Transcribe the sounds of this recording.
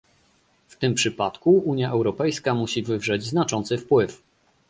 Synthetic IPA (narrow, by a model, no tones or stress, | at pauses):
ft̪ɘmpʂɘpat̪kuuɲjaʔɛwɾɔpɛjskamuɕivɘvʐɛd͡ʑznat͡ʂɔnt̪sɘfpwɘf